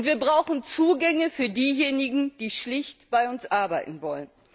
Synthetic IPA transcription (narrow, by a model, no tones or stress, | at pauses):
ʊntv̥iːɐbʁaʊxn̩t͡suːɡɛŋəfyːɐdiːjeːnɪɡŋ̩d̥iːʃlɪçtb̥aɪʊnsʔaɐba̰ɪtn̩vɔlən